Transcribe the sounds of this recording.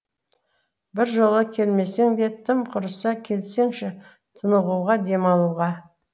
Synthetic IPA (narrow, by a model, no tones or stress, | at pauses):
bɪɾʒo̞lˠəkʲʰe̞lme̞seŋd̪e̞t̪ʰːɪmqʰʊɾəsɑkʲʰe̞lse̞ŋʃɪ | t̪ʰənəʁuʁɑd̪e̞mɑlˠuʁɑ